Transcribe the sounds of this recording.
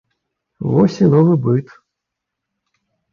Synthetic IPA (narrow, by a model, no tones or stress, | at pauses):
vɔsʲinɔvɨbɨt̪